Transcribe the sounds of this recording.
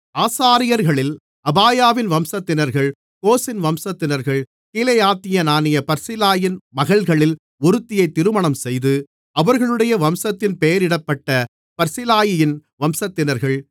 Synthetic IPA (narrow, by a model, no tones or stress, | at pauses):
aːsaːɾɪjɐɾɣɐɭɪl | ɐbaːjaːʋɪnʋɐmsɐt̪ːɪnɐɾɣɐɭ | koːsɪnʋɐmsɐt̪ːɪnɐɾɣɐɭ | kiːlɐjaːt̪ːɪjɐnaːnɪjɐpɐɾsɪlaːjɪnmɐɣɐɭɣɐɭɪl | ɔɾɯt̪ːɪjɐɪt̪ːɪɾɯmɐɳɐmsɛjðɯ | ɐʋɐɾɣɐɭɯɽɐjɐʋɐmsɐt̪ːɪnpeːɐɾɪɽɐpːɐʈːɐ | pɐɾsɪlaːjɪjɪnʋɐmsɐt̪ːɪnɐɾɣɐɭ